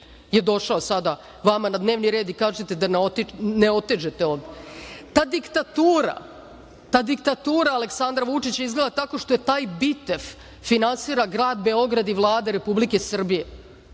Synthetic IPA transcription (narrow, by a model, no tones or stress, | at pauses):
jed̪o̞ʃaosad̪a | ʋamanad̪ne̞ːʋniɾe̞ːd̪ikaːʒet̪e̞d̪anot̪neo̞t̪ed͡ʒet̪eod̪t̪aːd̪ikt̪at̪uːɾa̰ | t̪aːd̪ikt̪at̪uːɾaale̞ksand̪ɾaʋut͡ʂit͡ɕaizɡle̞d̪at̪ako̞ʃt̪ojet̪aːjbit̪efː | inansiːɾaɡɾaːd̪be̞o̞ɡɾad̪iʋlˠaːd̪aɾe̞publike̞sr̩bije̞